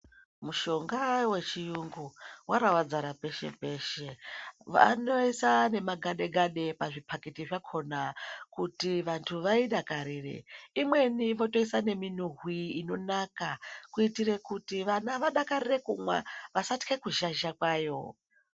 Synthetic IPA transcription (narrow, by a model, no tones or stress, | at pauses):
muʃo̞ŋɡawe̞t͡ʃijuŋɡuwaɾawad͡zaɾape̞ʃe̞̰pe̞ːʃe̞ʋa̰no̞isane̞maɡʱaɗe̞ɡʱaɗe̞paʐipʰakitiʐakʰo̞nakutiʋantʰuʋaiɗakaɾirḛimwe̞niʋo̞to̞isane̞minuɦwiːno̞nakakuitire̞kutiʋanaʋaɗakaɾire̞kumwa̰ʋasati̥ke̞kuʒaʒakwaːjo̞̰